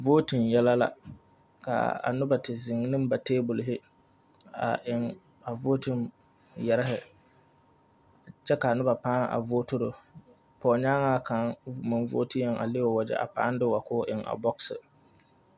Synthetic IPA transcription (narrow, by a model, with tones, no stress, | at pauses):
vo˦ti˨mjɛ˦la˦la̰˦ | ka̰˨a̰˨nʊ˦ba˨tɪ˨zɪ˨ŋ˦nɨ˦m˦ba˨teː˦bʊ˨lɪ˨ɦɪ˦ | a̰˨ʔɪ˨ŋ | a˨voː˦ti˦˨m | jɛ˨ɾɪ˦ɦɪ˨ | t͡ʃɛ˦ka˨nʊ˦ba˨paː˦ŋʔa̰˨voː˦tʊ˦ɾʊ˨ | pɔː˨ɲaː˦ŋa˦ka˨˦ŋmɨ˨n˦vo̰˦ti˦jɛ˨ŋa̰˨le˦o˨wa˨d͡ʒɛ̰˨ʔa̰˨pa̰ː˦n˦dɪ˦wa˨kʊː˦ʔɪ˨ŋa̰˨bɔ˦ksɨ˨